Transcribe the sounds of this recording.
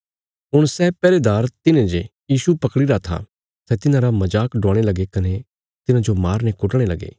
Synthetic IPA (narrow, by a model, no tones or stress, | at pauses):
ɦʊɽ̃sɛpɛːɾed̪aːɾt̪ɪnẽd͡ʒejiːsupɐkɽiɾat̪ʰa̰ | sɛt̪ɪnãɾamɐd͡ʒaːkɖɔ̃ːɽ̃elɐɡekɐne | t̪ɪnad͡ʒomaːɾnɛ̃kʊʈɽ̃elɐɡḛː